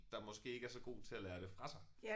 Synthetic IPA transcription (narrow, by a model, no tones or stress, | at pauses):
d̥ɑ̈mɒ̽sɡ̥e̝̰ːe̝ɡəæɐsɒ̽ɡ̥o̝̰ːt͡sʰe̝lælæːɐɾ̥e̝fʁɑ̈sɑ̈ɪ